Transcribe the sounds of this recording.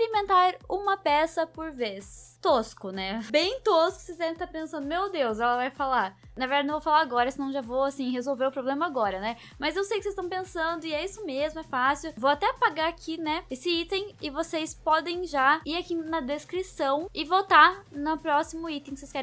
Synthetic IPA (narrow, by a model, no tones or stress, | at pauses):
ɾimẽnt̪aɾũmɐpɛsɐpoɾvest̪oskʊnɛbẽj̃t̪oskʊ̥sezzɛɾẽt̪aɾpẽsɐ̃nd̪ʊmewd̪ewzɛlɐvajfalaɾ | nɐveɾdaɪnõvofalaɾaɡɔɾɐsɪnɐ̃w̃ʒavowasĩɦezowveɾʊpɾoblẽmɐaɡɔɾɐnɛ | mɐzewsejkɪsezst̪ɐ̃w̃pẽsɐ̃nd̪ʊɪɛisʊmezmʊɛfasiʊvowat̪ɛpaɡaakʰinɛesɪit̪ẽj̃ɪvosespɔd̪ẽj̃ʒaiɾakinɐd̪eskɾisɐ̃w̃ɪvot̪anʊpɾɔsimʊit̪ẽkɪseskɛɾ̃